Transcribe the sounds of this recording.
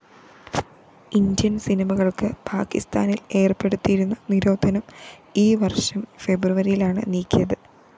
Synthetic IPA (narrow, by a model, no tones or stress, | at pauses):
ind̪jɐnsinimɐɣɐɭkɨpʰaːkḭst̪a̰ːnile̞ːrpe̞ɽut̪ːijiɾunːɐniɾo̞ːd̪ʱɐnɐmiːʋɐrʂɐmfe̞bruʋɐɾijilaːɳɨ̰niːkʲːijɐðɨ